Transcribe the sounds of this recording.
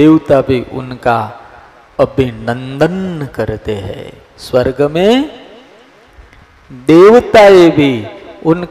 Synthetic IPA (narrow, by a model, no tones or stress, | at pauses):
eːwt̪abʱiʔʊ̰nka | əbʱinə̃nd̪ənkɐɾt̪eɦɛ̰̃ː | swəɾɡəmẽ | d̪eːwt̪aebʱiʊnk